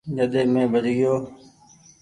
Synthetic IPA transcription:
d͡ʒəɗ̪eːmẽːbəɾijoː

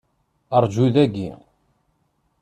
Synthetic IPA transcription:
əɾˤd͡ʒuðæɡḭ

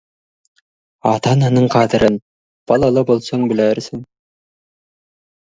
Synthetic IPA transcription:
ɑt̪ɑnɑnɯɴqʰɑd̪ɤ̆ɾɤn | b̥ɑlˠɑlˠɤbolˠsoŋbɘ̆læɾsɘŋ

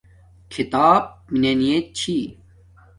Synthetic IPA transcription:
kʰit̪aːb̚minenijet͡ɕʰi

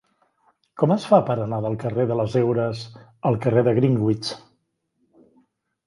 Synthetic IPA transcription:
kɔməsfapəɾənaðəlˠkəreðələzewɾəsəlˠkəreðəɣɾiŋɡwit͡ʃ

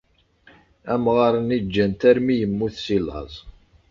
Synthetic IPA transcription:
æmʁɑɾˤənid͡ʒːænt̪æɾmijəmːuθsilɑ̰zˤ

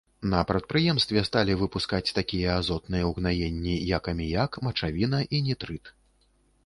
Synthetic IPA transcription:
nɐpɾɐt̪̚pɾɨjɛmst̪vʲɛst̪alʲivɨpuskat͡sʲt̪akʲijɐːzɔt̪nɨjɛwɣnajenʲːijakɐmʲijakmɐt͡ʂavʲin̪ɐʔinʲit̪ɾɨt̪

